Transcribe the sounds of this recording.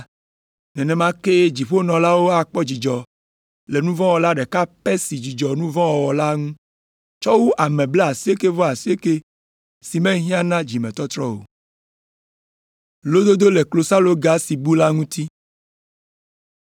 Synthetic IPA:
nɛ̃˨nɛ̃˨mã˦ke˦d͡ʑi˨ɸo˦nɔ̃˨la˦wo˦a˨k͡pɔ˦d͡ʑi˨d͡ʒɔ˨ | le˨nũ˦vɔ̃˦wɔ˨la˦ɖɛ˨ka˦pe˦si˨d͡ʒi˨d͡ʒɔ˨nũ˦vɔ̃˦wɔ˨wɔ˨la˦ŋũ˦ | t͡ʃɔ˦wu˦ʔa˨mɛ̃˨ble˦a˨si˦e˦ke˦vɔ˦a˨si˦e˦ke˦ | si˨mɛ̃˦ɦĩ˦ã˦nã˦d͡ʒi˨mɛ̃˨t̪ɔ˦t̪ɾɔ˦wo̰˨ | lo˦d̪o˦d̪o˦le˨klo˨sa˦lo˦ɡa˦si˨bu˦la˦ŋũ˦t̪i˦

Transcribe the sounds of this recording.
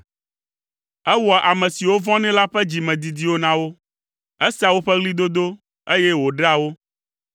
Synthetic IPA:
ɛ˦wɔ˨ʔa˨mɛ̃˨si˨wo˦vɔ̃˦nɛ̃˦la˦ɸɛ˦d͡ʑi˨mɛ̃˨d̪i˨d̪i˦wo˦nã˦wo˦ | ɛ˦si˦a˨wo˦ɸɛ˦ɣli˦d̪o˦d̪o˦ | e˦jɛ˦wo˨ɖa˦wo˦

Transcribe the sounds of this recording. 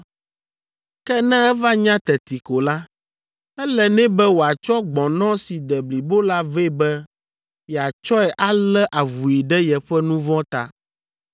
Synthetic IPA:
kɛ˦nɛ̃˦ɛ˦va˦ɲã˦t̪ɛ˨t̪i˨ko˨la˦ | ɛ˦lɛ˨nɛ̃˦bɛ˦wo˨a˨t͡ʃɔ˦ɡ͡bɔ̃˨nɔ̃˦si˨d̪ɛ˨bli˨bo˦la˦ve˦˨bɛ˦ | jɛ˨a˨t͡ʃɔ˦ɛ˨ʔa˦lɛ˦ʔa˨vu˨i˨ɖɛ˦jɛ˨ɸɛ˦nũ˦vɔ̃˦t̪a̰˨

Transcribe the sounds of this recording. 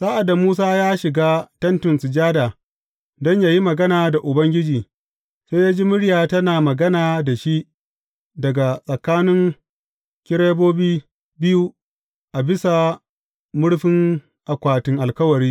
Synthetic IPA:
saː˦ʔa˨da˨muː˦s̬aː˦jaː˦ʃɪ˨ɡaː˦tɐ˦ntʊ˨nsɪ˨d͡ʒaː˦da˨ | dɔ˦ɲjaː˨ji˦mɐ˨ɡɐ˦naː˨da˨ʔʊ˨bɐ˦ŋɡʲɪ˦d͡ʒiː˨ | se˦jaː˦d͡ʒiː˦mʊ˦ɽjaː˨tɐ˦naː˨mɐ˨ɡɐ˦naː˨da˨ʃi˦ | dɐ˨ɡa˨sʼɐ˨kaː˦nɪ˦ŋ | kʲɪ˦ɽe˦boː˦biː˦ | bɪ˦ju˦ | ʔa˨bɪ˦sa˨ | mʊ˦ɽɸɪ˦ŋ | ʔa˨kʷaː˨tɪ˨ŋʔa˨lkɐ˦wɐ˨ɾiː˦

